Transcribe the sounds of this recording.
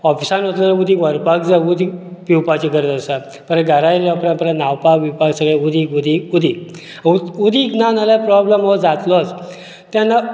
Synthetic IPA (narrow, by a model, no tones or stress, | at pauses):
ɔfisãnɦot̪lənud̪iʋəɾpaɡd͡zaud̪ipiwpat͡ɕiɡəɾd̪əsa | pəɾɡəɾajlapɾãpɾanawpakʋipaɡsəɡɭaud̪ikud̪iud̪i | uud̪iknanalapɾɔbləmɔd͡zat̪lɔt͡s | t̪janːa